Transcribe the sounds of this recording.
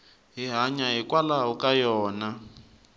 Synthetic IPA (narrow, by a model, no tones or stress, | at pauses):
ɦiɦaɲaɦikwalaɦukʼajɔːna